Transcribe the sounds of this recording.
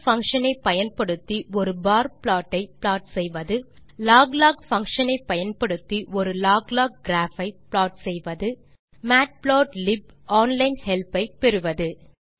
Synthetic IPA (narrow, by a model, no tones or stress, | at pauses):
fɐŋkʂɐnɐɪpːɐjɐnpɐɽɯt̪ːiɔɾɯbaːɾpɭaːʈːɐɪpɭaːʈsɛjʋɐðɯlaːɡlaːɡfɐŋkʂɐnɐɪpːɐjɐnpɐɽɯt̪ːiʔɔɾɯlaːɡlaːɡ̚ɡɾaːfɐɪpɭaːʈsɛjʋɐðɯ | maːʈ̚pɭaːʈlɪb | aːnlɐɪnhɛlpɐɪpɛɾɯʋɐðɯ